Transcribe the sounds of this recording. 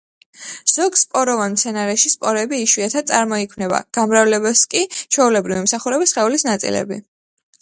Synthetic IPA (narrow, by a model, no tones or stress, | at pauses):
z̥ɔɡspʼɔɾɔvanmt̪sʰɛnaɾɛʃispʼɔɾɛbiːʃwiat̪ʰasʼaɾmɔikʰwmnɛba̰ɡ̥amɾavlɛbɛskʼit͡ʃʰɔulɛbɾivimsaχuɾɛbisχɛulisnat̪sʼḭlɛ̰bḭ